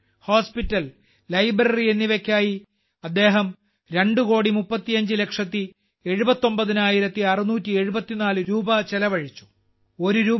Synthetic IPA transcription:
ho̞ːspitːɐlː | ɐjbɾɐrie̞nːiʋekʲːaːji | ɐd̪ːe̞ːɦɐm | ɾe̞ɳɖuko̞ːɽimupːɐt̪ːijɐɲd͡ʑɨle̞kʂɐt̪ːi | e̞ɻubɐt̪ːo̞mbɐðinaːjiɾɐt̪ːiɐrinuːtʲːie̞ɻubɐt̪ːinaːlɨɾuːbɐt͡ɕelɐʋɐɻit͡ɕːu̥ | o̞ɾuɾuː

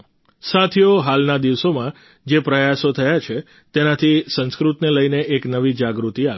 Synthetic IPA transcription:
sat̪ʰijoɦalnad̪iʋsomã | d͡ʒepɾəjasot̪ʰəjat͡ʃʰe | t̪enat̪ʰisə̃nskɾut̪neləjneʔːknəʋid͡ʒaɡɾut̪ia

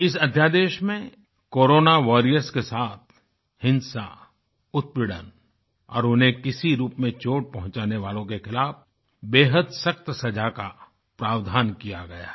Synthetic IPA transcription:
ɪsɐd̪ʱjad̪eːʃmẽ | koːɾoːnaʋaːɾijəɾskesaːt̪̚ʰ | hɪ̃nsa̰ | ʊt̪̚pɪɽə̰n | ɔ̰ːɾʊnɦẽkɪsiɾuːpmẽt͡ʃoːʈ̚pɐɦʊ̃t͡ʃaːneʋaːlõkexɪlaːf | beːɦəd̪sɐk̚t̪sɐd͡ʒaka | pɾaːʋd̪ʱaːnkijaɡɐja̰ː

